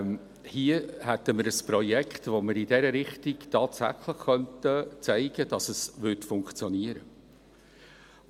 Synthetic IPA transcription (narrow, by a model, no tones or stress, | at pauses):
hiəhɛtəməɾəsprɔjɛkχtʋoməɾɪdɛɾəɾɪχtiɡ̥tɑːtsæ̰χləχχœntət͡sæɪɡ̥əd̥ɑsəsvʏtfʊŋkt͡sjɔniəɾə